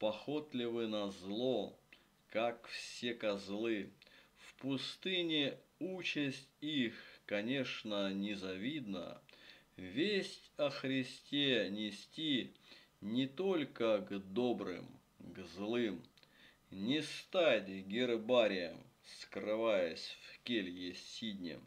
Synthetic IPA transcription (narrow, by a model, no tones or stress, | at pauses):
pɐxot̪lʲɪvɨnɐzlˠo | kakfsʲekɐzlˠɨfpʊst̪ɨnʲɪut͡ɕɪsʲtʲixkɐnʲe̞ʂnənʲɪzɐvʲid̪nə̰ | vʲesʲtʲɐxɾʲɪsʲtʲenʲɪsʲtʲi | nʲɪt̪o̞lʲkəɡd̪o̞bɾɨ̰m | ɡzlˠɨm | nʲɪst̪atʲɡʲɪrbaɾʲɪjəm | skrɨvajəsʲfkʲelʲjeidʲnʲɪ̰